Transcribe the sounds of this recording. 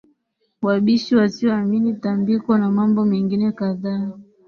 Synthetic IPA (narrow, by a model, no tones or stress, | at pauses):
waɓiʃiwasiɔaminitambikɔnamambɔmɛŋɡinɛkaðaː